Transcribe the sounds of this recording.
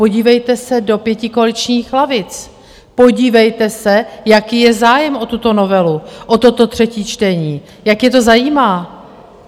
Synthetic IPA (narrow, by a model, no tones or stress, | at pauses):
po̞ɟiːvɛjt̪ɛsɛdo̞pjɛcɪkoalɪt͡ʃɲiːxlavɪt͡s | po̞ɟiːvɛjt̪ɛsɛjakiːjɛzaːjɛmʔo̞t̪ut̪o̞no̞vɛluʔot̪o̞t̪o̞t̪r̝̥ɛciːt͡ʃt̪ɛɲiː | jakjɛt̪o̞zajiːmaː